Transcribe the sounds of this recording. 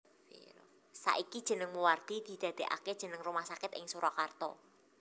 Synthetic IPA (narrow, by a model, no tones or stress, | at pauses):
sa̰ʔikid̥ʒ̥ə̤nəŋmuward̪̥i̤d̪̥i̤d̪̥a̤d̪̥e̤ʔa̰ked̥ʒ̥ə̤nəŋrumahsakɪt̪ɪ̰ŋsuɾɔkart̪ɔ̰